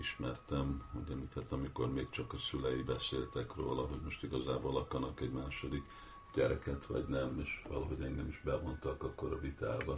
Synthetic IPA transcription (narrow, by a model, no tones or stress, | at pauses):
iʃmɛrt̪ɛmuɟɛmlit̪ʰɛt̪ɒmiko̞rmeːkt͡ʃɒkɒsylɛjibɛseːlt̪ɛkro̰ːlɒɦo̞ɟmo̞ʃt̪iɡɒzaːboːlɒkɒnɒkɛɟmaːʃo̞d̪ik | ɟ̥ɛɾɛkɛt̪ʋɒ̰ɟnɛmeːʃʋɒ̰lɒɦo̞ɟɛŋɡɛmiʒbɛvo̞nt̪ɒkɒkːo̞ɾɒvit̪aːbɒ